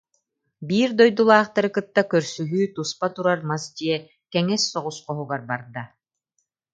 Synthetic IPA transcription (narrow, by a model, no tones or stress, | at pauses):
biːɾd̪ɔjd̪ulˠaːχt̪aɾɯkɯt̪ːakœɾsyɦyːt̪uspat̪uɾaɾmasd̪iɛ | kɛŋɛsːɔʁusqɔɦuɡaɾbaɾd̪a